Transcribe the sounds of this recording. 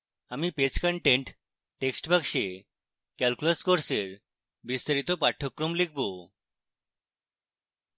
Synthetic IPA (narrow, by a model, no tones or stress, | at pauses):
amiːpet͡skəɳʈẽɳʈ | ʈeksʈbakʂe | kɛlkuləskoɾseɾ | bist̪aɾit̪ɔpaʈʰɔkːɾomlik̚ʰbo